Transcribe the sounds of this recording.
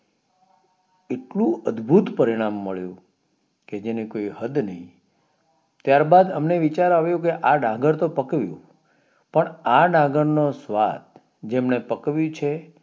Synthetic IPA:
eʈlũəd̪bʱut̪pəɾiɽ̃amːəɭjṵ̃ | ked͡ʒenikoiɦəd̪nəɦĩ | t̪jaɾbad̪əmneʋit͡ʃaɾaʋjũkeʔaɖʱãɡəɾt̪opəkʋjṵ̃ | pəɳaɖãɡəɾnosʋa̰t̪ | d͡ʒemnepəkʋjũt͡ʃʰe

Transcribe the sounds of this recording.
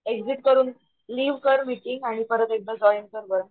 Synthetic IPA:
ekd͡ziʈkəɾuːn | liːʋkəɾmiʈiŋɡaɽ̃ipəɾət̪ek̚d̪əd͡zɔjiŋkəɾbəɾə

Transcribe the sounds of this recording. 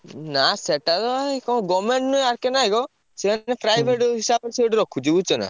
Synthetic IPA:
naseʈad̪ɔkɔɡɔmeɳʈnujaɾkenaiɡɔ | semanepɾajbʱeʈɦisabɔɾseʈɾɔkʰud͡ʒebut͡ʃʰɔna̰

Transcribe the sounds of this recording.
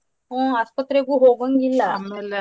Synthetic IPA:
ɦɔ̃aspət̪ɾeɡuɦoɡənɡilːal

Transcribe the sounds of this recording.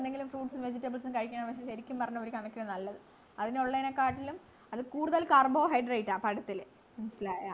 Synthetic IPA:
eneŋɡilumfruːʈsɨmʋe̞d͡ʑitːɐbɐlsɨmkɐɻik̬ʲːaːɳpɐkʂeɕɐɾikʲːumpɐrɐɲːɐoɾikʲɐɳɐkːiɽɐnɐlːɐðɨ | ɐðinoɭːɐjnekːaːʈːilum | ɐðɨkuːɽuðɐlkɐrboːɦɐjɖrɐjiʈːaːpɐɽɐt̪ːil | minɐsilaːja̰

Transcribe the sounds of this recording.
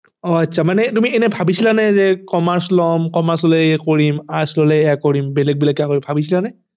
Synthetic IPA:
ɔasʰamanɛtumiɛnɛbʱabisilanɛzɛkɔmaɹslɔmkɔmaɹsɔlɛkoɹimaslɔlɛɛjakoɹimbɛlɛk̚bilakakɔɹibʱabis̬ilanɛ

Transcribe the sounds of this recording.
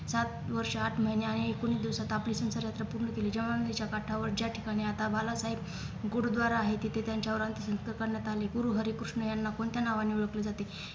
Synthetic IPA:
sat̪ʋəɾʂəaʈʰm̤əjneaɽ̃iekoɽ̃iːd̪iʋsat̪apliːsə̃w̃səɾjat̪ɾapuɾɳəkeliːd͡ʑəʋanlit͡ɕjakaʈʰaʋəɾd͡ʑjaʈʰi̥kaɽ̃iat̪abʱalasaɦib | ɡoɽd̪ʋaɾaːɦet̪et̪et̪jaɲt͡ɕaʋɾant̪əsə̃nskəɾkəɾɳjat̪aleɡuɾuːɦəɾekɾuʂɳəjanːakoɳt̪janaʋanːiːʋuɭəkled͡zat̪e

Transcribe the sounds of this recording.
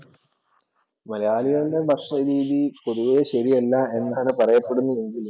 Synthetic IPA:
mɐlɐjaːliɣɐɭde̞mɐrʂɐɾiːðipo̞ðuʋeɕɐɾiɐlːɐe̞nːaːɳɨpɐrɐjɐpːe̞ɽunːue̞ŋɡilum

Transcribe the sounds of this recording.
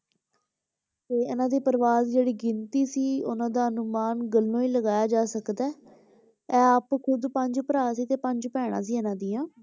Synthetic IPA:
t̪eːɪnãːd̪iːpəɾʋaːzd͡ʒeːɽiːɡɪnt̪iːsiːʊ̰nãːd̪aːənʊmaːnɡəlːõːiːləɡaːjaːd͡ʒaːsəkd̪ɛː | ɛːəpkʰʊd̪pəɲd͡ʒpəɾaːsiːt̪eːpəɲd͡ʒpɛːɽ̃a̰ːs̬iːɛːnãːd̪iːãː

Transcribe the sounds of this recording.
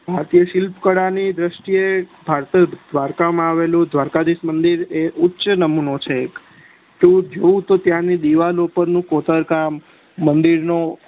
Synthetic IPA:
bʱaɾt̪ijəʃɪlpkəɽanid̪ɾəʃʈiebʱaɾt̪əd̪ʋaɾkamãaʋelũd̪ʋaɾkad̪ismənd̪iɾeʔʊtːʃənəmunot͡ʃʰeːk | ʈ̪ũd͡ʒoũt̪ot̪jãnid̪iʋalopəɾnũkot̪əɾkamː | ənd̪iɾno

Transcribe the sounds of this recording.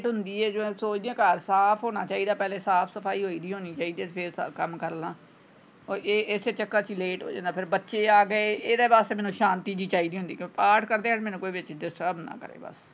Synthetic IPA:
ʈɦʊnd̪iːɛːd͡ʒoẽːsoːt͡ʃd̪iãːkəɾsaːpʰɦoːɽ̃aːt͡ʃaːiːd̪aːpɛːlẽːsaːpʰsəpʰaːiːɦoːiːd̪iːɦoːniːt͡ʃaːiːd̪ɛːpʰɪɾkəmkəɾlãː | oːeːʔɪseːt͡ʃəkːãːt͡ʃleːʈɦo̰ːd͡ʒã̰ːnd̪aːpʰɪɾbətːʃeːaːɡəeːʔeːd̪eːbaːst̪eːmɛ̃ːnũːʃãːnt̪iːd͡ʒiːt͡ʃaːiːd̪iːɦʊnd̪iːkpaːʈʰkəɾd̪eːaːmɛːnũːkoːiːbɪt͡ʃɖɪsʈəɾbnã̰ːkəɾḛːbə̰s

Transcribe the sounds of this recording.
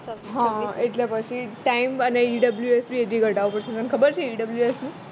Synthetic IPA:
ɦãeʈljapat͡ɕʰiʈaiməneiɖəbljuesbied͡ʑiɡəʈaʋpəɾsə̃nt̪ənkʰəbəɾt͡ɕʰiiɖəbljuesmi

